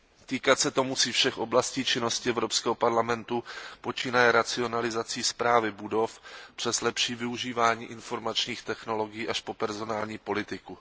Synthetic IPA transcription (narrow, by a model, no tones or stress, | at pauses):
t̪iːkat̪sɛt̪o̞musiːfʃɛxʔo̞blasciːt͡ʃɪno̞scɪɛvɾo̞pskɛːɦo̞paɾlamɛnt̪upo̞t͡ʃiːnajɛɾat͡sɪo̞nalɪzat͡siːspɾaːvɪbudo̞fpr̝̥ɛzlɛpʃiːvɪuʒiːvaːɲiːʔɪnfo̞ɾmat͡ʃɲiːxt̪ɛxno̞lo̞ɡɪjiːʔaʃpo̞pɛɾzo̞naːlɲiːpo̞lɪt̪ɪku